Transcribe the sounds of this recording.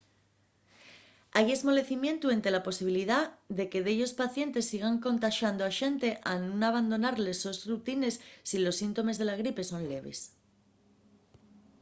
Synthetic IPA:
aje̞zmo̞le̞θimjẽ̞nt̪ue̞nt̪e̞lapo̞siβ̞iliðaðe̞ke̞ðe̞ʎo̞spaθje̞nt̪e̞sːiɣ̞aŋko̞nt̪aʃand̪oaʃe̞nt̪e̞ʔanũnaβand̪o̞naɾle̞so̞zrut̪ine̞sːilo̞sːint̪o̞me̞zð̞e̞laɣ̞ɾipe̞sõ̞nle̞βe̞̰s

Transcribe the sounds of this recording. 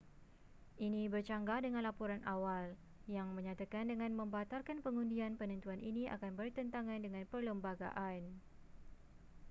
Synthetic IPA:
ʔinibərt͡ʃaŋɡadəŋãnlapuɾanʔawal | jaŋməɲãt̪akandəŋãnmə̃mbat̪alkanpəŋundianpənənt̪uanʔiniʔa̰kanbərt̪ənt̪aŋãndəŋãnpərləmbaɡa̰ʔan

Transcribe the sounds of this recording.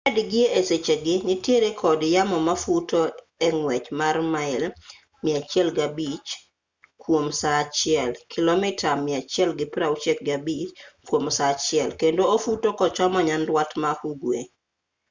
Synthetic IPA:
ɛdɡɪeeset͡ʃeɡɪnɪtjeɾekʰɔdjamɔmafuto | ɛŋwɛt͡ʃmarmaɪl | mɪat͡ʃjɛlɡabit͡ʃ | kwomsat͡ʃɪɛlkʰɪlɔmɪtʰamɪat͡ʃjɛlɡɪpɾaut͡ʃɛk̚ɡabit͡ʃkwomsat͡ʃɪɛlkendoofutokɔt͡ʃɔmɔɲandwatmahuɡwe

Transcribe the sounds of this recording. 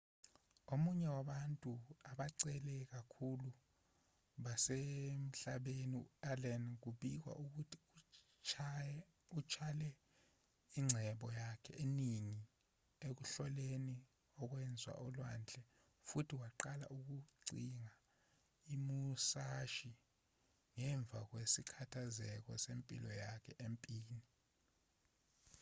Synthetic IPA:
omuɲɛwaɓantʼuaɓaǀɛlɛk̬akʰulu | ɓasem̩ɬaɓeniɛlɛnk̬uɓik̬wa̰ʔuk̬utʰi | ut͡ʃʰalɛ | iŋ͡ǀʱɛɓɔjakʰɛeniŋi | ek̬uɬɔleni | ɔk̬wɛnd͡zʱwa̰ʔɔlwa̰nd͡ɮʱɛ | futʰiwaǃala̰ʔuk̬uǀiŋa | imusaʃi | ŋɛɱb̪vʱak̬wesikʰatʰazɛk̬ɔsempʼḭlɔjakʰɛʔempʼiːni

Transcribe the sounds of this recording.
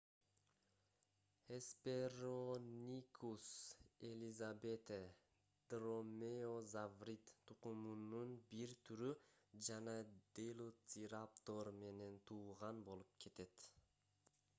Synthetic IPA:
espeɾonʲikʰuselʲizabet̪e | d̪̥romeozavrit̪t̪uqumununbiɾt̪ʰyɾyd͡ʒɑnɑd̪̥elˠot̪ʲiɾapt̪oɾme̞ne̞nt̪ʰuːʁɑnbo̞lˠup̚kʰe̞t̪e̞t̪

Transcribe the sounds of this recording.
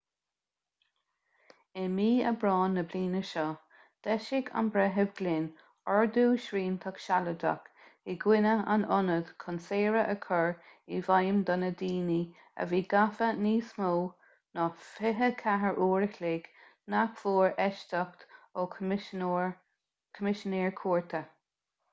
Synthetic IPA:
ɪmiːə̰bɾɔːnːəbliːnəʃɔ | d̪̥ɛʃɪɡa̰nbɾɛɦəbɡ̥lɪn | ɔɹd̪uːʃɾiːnt̪ʰɔkʃaləd̪a̰k | ɪɡwɪnəa̰nʊnəd̪̥kʰɔnseːɹəʔəkʰɔɹivajəmd̪ɔnəd̪iːni | ə̰viːɡafəniːsmoː | nɔfɪɦəkʰaɦəɹʔuːɹəxleːɡ̥ | nakfuːɹɛʃt̪əkt̪o | kʰɔmɪʃəneːɹkʰuːɹt̪ʰə

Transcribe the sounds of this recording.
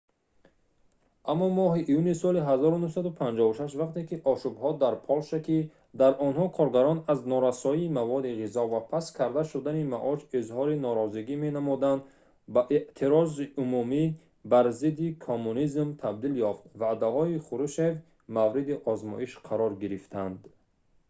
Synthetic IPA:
ʔamːɔmɔɦiʔːjunisɔliɦazɔɾunuhsad̪upʰand͡ʒɔuʃaʃvaqt̪ʰe̞kiʔɔʃubhɔd̪aɾpʰɔlʃaki | d̪aɾʔɔnɦɔkʰɔɾɡaɾɔnaznɔɾasɔiːmavɔd̪iʁizɔvapʰaskʰaɾd̪aʃud̪animaʔɔʃizhɔɾinɔɾɔziɡimenamɔd̪and̪ | baʔeʔt̪ʰiɾɔziʔumumi | baɾzid̪ikʰomːunizmt̪ʰab̚d̪iljɔft̪vad̪aɦɔiχuɾuʃev | mavɾid̪iʔɔzmɔ̰ʔiʃqʰaɾɔɾɡiɾift̪ʰand̪

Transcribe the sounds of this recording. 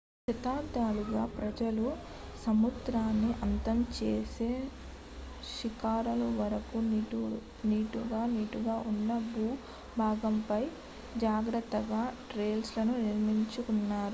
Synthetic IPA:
ʃɐt̪aːd̪aːluɡaːpɾɐd͡ʒɐlu | sɐmud̪ɾaːnːiʔɐnt̪ɐmt͡ʃeːseː | ʃikaːɾɐlɐʋɐɾɐku | niːʈuɡaːniːʈuɡaːʔunːɐbuː | bʱaːɡɐmpɐj | d͡ʒaːɡɾɐt̪ːɐɡaːʈɾeːlslɐnuniɾmiɲt͡ʃukunːaːɾu

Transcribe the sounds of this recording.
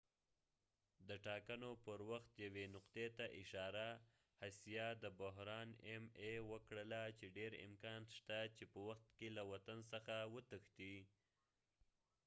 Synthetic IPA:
d̪əʈɑkanopəɾwaxt̪jawenʊqd̪et̪aʔɪʃɑɾa | hasjɑd̪əbʊɦɾɑnemewəkɽəlat͡ʃeɖeɾɪ̰mkɑnʃt̪at͡ʃepəwaxt̪kelawat̪ans̬əxawət̪əxt̪i

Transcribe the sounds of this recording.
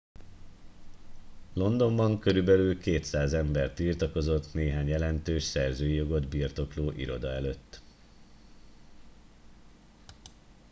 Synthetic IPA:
lo̞nd̪o̞mbɒŋkø̞ɾybɛlylkeːt̪saːzɛmbɛrt̪irt̪ɒko̞zo̞t̪neːɦaːɲjɛlɛnt̪øːʃsɛrzøːjijo̞ɡo̞d̪birt̪o̞kloːʔiɾo̞d̪ɒɛløt̪ː

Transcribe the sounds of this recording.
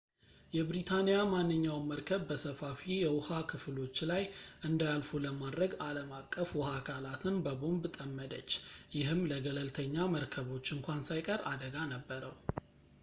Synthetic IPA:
jɛbɾit̪ʰanijamanːɨɲːawməɾkʰəβbəsəfafijɛwʊhakʰɨflo̞t͡ʃːlajʔɨnd̪ajalfuləmad̪ɾəɡaləmakʼːəfwʊhakʰalat̪ʰɨnbəbo̞mbt̪ʼəmːəd̪ət͡ʃːjɪɦɨmləɡələlt̪ʰəɲːaməɾkʰəβo̞t͡ʃːɨŋkʷansajkʼəɾa̰d̪əɡanəbːəɾəw

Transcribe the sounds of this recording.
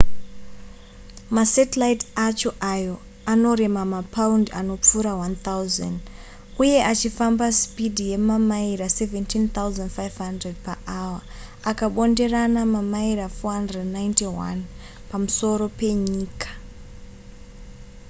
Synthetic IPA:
masetelaitat͡ʃo̞ʔajo̞ | ano̞ɾe̞mamapʰaundano̞p͡fuɾawant̪auza̰nd | uje̞ʔat͡ʃifambaspidʱije̞mamaiɾase̞ventʰint̪auzandfajv̥ɦandred̚paʔawa | akaɓo̞nde̞ranamamaiɾafoɦandrednajntiwa̰n | pamuso̞ɾo̞pe̞ɲiːkḁ

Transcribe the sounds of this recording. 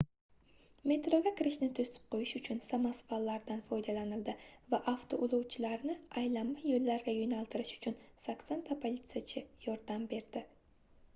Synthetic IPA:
me̞t̪ɾoɡʲakʲɪɾɪʃnɪt̪ʰɵsɪ̥p̚qʰojɪʃʊt͡ʃʰʊnsamasvalːaɾd̪anfɒjd̪alanɪld̪ɪvaʔaft̪ʰoʔʊlˠuwt͡ʃʰɪlaɾnɪajlamːajolːaɾɡʲajonalˠt̪ʰɪɾɪʃʊ̥t͡ʃʰʊnsakʲsant̪ʰapʰolʲit̪sɨjat͡ʃʰɪjɒɾd̪ambe̞ɾd̪̥ɪ

